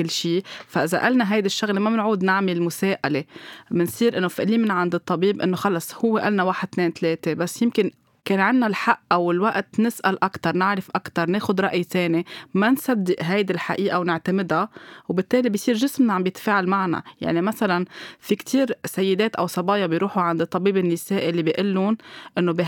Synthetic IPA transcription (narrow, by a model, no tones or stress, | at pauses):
kɪlːʃiːfaʔɪza̰ʔalnaɦajd̪ɪʃːʊɣlemamɪnʕuːd̪nɪʕmɪlmʊseːʔalemɪnsˤiːɾʔɪnːofiʔliːmɪnʕand̪ɨt̪ˤːɑbiːbʔɪnːoxɑlɑsˤhʊwːeʔa̰lnawaːħɪd̪̚t̪neːnt̪leːt̪ebasːjɪmkɪn | keːnʕɪnːalħaʔʔawɪlwaʔt̪nɪsʔalʔakt̪ɑɾˤnɪʕɾɪfʔakt̪ɑɾˤneːxʊd̪ɾˤɑʔjt̪eːnimansad̪ːɪʔɦajd̪ilħaʔiːʔawnɪʕt̪amɪd̪awbɪt̪ːeːlibɪjsˤiːɾʒɪsmnaʕambjɪt̪ḁfeːʕalmaʕna̰ja̰ʕnimasalanfikt̪ʰiːɾsajːɪd̪eːt̪ʔawsˤɑbɑːjɑbɪjɾuːħuʕand̪ɨt̪ˤːɑbiːbɪnːɪseːʔilːibiʔɪlːonʔɪnːobi